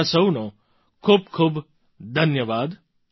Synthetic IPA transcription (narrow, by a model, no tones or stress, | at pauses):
səwno | kʰuːb̚kʰuːb | d̪ʱənjəʋaːd̪